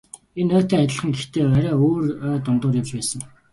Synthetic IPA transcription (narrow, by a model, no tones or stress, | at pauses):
enœːt̪ʰeːat̪ʲɪ̆ɮə̆χə̆ŋɡext̪eːæɾʲæːoːrœːt̪ʊnt̪ʊːrjawt͡ɕpæːsə̆ŋ